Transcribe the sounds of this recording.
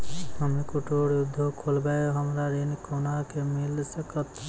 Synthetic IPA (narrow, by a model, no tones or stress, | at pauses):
həmekʊʈoːɽjʊd̪ʱːokʰoːlbajoɦəmɾaɾenkonakemɪlsekət̪